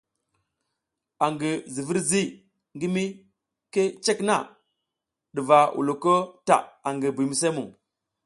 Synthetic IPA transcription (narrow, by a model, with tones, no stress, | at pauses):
a˨ŋɡi˨zi˨vi˦ɾzi˦ | ŋɡi˦mi˦ | ke˦t͡ʃe˦kna˦ | ɗi˨va˨wʔṵ˨lu˨ko˦ta̰˨a˨ŋɡi˨bi˨mi˨s̬e˦mu˨